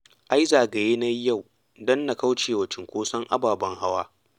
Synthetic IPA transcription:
ʔa˦jzaː˨ɡa˨jeː˦na˦jːa˦˨w | dɔ˦nːa˨ka˦wt͡ʃeː˨wɐ˨t͡ʃɪ˨ŋkʷoː˦sɐ˦ŋʔa̰˦baː˨bɐ˦ŋha˦waː˦

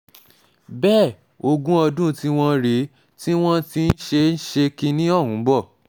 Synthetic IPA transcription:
bɛː˦˨ | o˧ɡũ˦ɔ˧dũ˦ti˦w̃ɔ̃˦ɾi˨˦ | ti˦w̃ɔ̃˦ti˧n̩˦ʃe˧n̩˦ʃe˧kĩ˧nĩ˦ɔ˦˨ɦũ˨˦bɔ˦˨

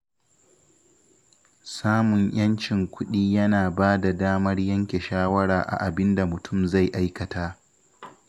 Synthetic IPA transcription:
saː˦mʊ˨ɲj̰ɐ˦nt͡ʃɪ˨ŋkʷʊ˦ɗiː˦jɐ˦naː˨baː˦da˨daː˦mɐ˦rjɐ˦ŋkʲe˨ʃaː˦wɐ˦ɽaː˨ʔa̰˨ʔa˨bɪ˦nda˨mʊ˨tʰʊ˦˨mza˦˨jʔa˦jkɐ˨tʰaː˦ʔ

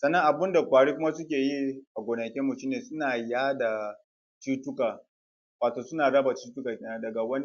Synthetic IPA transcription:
sɐ˨nːɐ˦ŋʔa˨bɪ˦nda˨kʷaː˨ɽiː˦kʷʊ˦ma˦sʊ˦kʲeː˨ji˦ʔa˨ɡʷo˨nɐ˨kʲɛ˦mʊ˨tu˦neː˨sʊ˦naː˨jaː˦da˨ | t͡ʃiː˦tʊ˦kaː˨ | waː˨toː˨sʊ˦naː˨ɽɐ˦ba˨t͡ʃiː˦tʊ˦kaː˨kʲːna˨dɐ˨ɡa˨wɐ˦ni˦

